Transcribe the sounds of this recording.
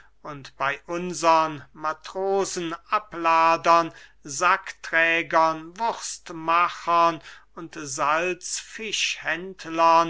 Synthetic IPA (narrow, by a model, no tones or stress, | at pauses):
ʔʊntb̥aɪʔʊnzɐʁənmatʁ̥oːzn̩ʔaplaːdɐnzaktʁ̥ɛːɡɐnvʊʁstmaχɐnʊntzalt͡sfɪʃhɛntlɐn